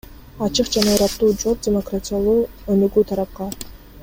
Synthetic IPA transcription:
ɑt͡ʃɯqd͡ʒɑnɑɾɑt̪ːuːd͡ʒop̚dʲɪmokratʲijalˠuː | ønyɡyːt̪ʰɑɾɑp̚qɑ

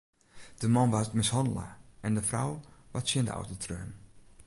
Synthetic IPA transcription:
d̥əmɔnʋastmɪshɔndələ̰ɛndəfrawʋatsjɪndə̰ʔa̰wtətʰrøːn

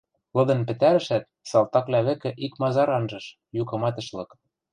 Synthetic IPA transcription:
lɤ̆d̪ɤ̆npɘ̆t̪æɾɘ̆ʃæt̪̚sɑlˠt̪ɑklʲæβɘ̆kɘ̆ʔikmɑzɑɾɑnʒɤ̆ʃ | jukɤ̆mɑt̪ɤ̆ʃlɤ̆k

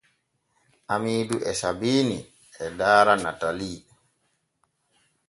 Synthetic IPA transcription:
ʔamiːduʔɛsabiːni | ɛdaːɾanataliː

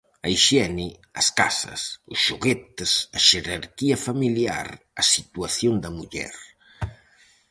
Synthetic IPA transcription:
ɐiʃɛni | ɐska̰sɐ̰sʊsʃuɣet̪esɐʃeɾaɾkiɐfamilja̰ɾ | ɐsit̪uaθjond̪ɐmuʎɛ̰ɾ

